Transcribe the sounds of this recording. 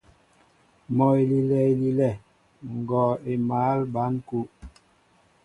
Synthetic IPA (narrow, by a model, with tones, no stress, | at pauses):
mɔ˨e˨li˨lɛ˨i˨li˦lɛ˦˨ | ŋ̩˨ɡɔ˨e˨maː˨˦lba˨˦n˦ku˦